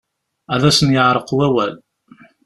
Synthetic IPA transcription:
æðæsənjəʕɾˤəqwæwæl

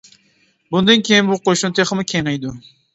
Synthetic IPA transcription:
bund̪ɨnkʲʰejinbuqʰoʃunt̪ʰeχɨmɨkʲʰeŋejd̪ʊ

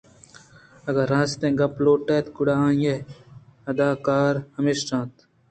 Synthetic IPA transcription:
ɐɡɐɾãːst̪ẽːɡɐploːʈeːt̪kuɽaːãːĩe | ɐd̪aːkaːɾhɐmiʃʈãːt̪

